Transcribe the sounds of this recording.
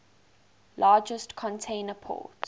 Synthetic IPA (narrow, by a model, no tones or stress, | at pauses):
lʔɑːd͡ʒəstkʰɔ̃ntʰẽɪnəpʰɔ̰ːˑt